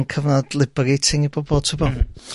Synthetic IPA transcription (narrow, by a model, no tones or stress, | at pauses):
nkʰəvnɔdlˠɪbəɾejtʰɪŋibɔbɔlˠtʰubɔ